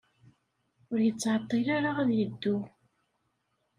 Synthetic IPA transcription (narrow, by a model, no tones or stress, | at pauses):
ʊɾjət͡sːʕɑt̪ˤːilaɾaʁæðjəd̪ːu